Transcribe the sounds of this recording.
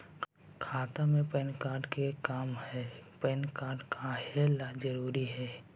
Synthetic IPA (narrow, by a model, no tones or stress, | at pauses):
kʰaːt̪amẽpɛːnkaːɾɖkekaːmhɛːpɛːnkaːɾɖkahelad͡ʒəɾuːɾiɦɛː